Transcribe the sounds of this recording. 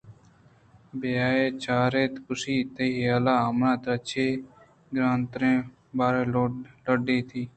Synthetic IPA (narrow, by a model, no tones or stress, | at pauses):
bejaːeːt͡ʃaːɾeːt̪kʊsiːt̪əjaːlaːəmnãːt̪ət͡ʃʰeː | ɡɾãːnt̪ɾẽː | baːɾeːləɖeːt̪ʰiː